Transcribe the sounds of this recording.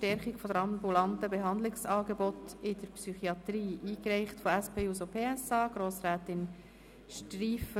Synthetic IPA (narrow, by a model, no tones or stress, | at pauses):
tɛɾχɪkfodəɾɑmbulɑntəbeɦɑnd̪lɪksɑːɡebɔtɪdəɾpsyχiɑt̪ɾiːʔiːkɾɛɪχtfoæspʰeːuːzopʰeːɛsɑːɡ̥ɾoːsɾæːt̪ɪn | ʃtriːfə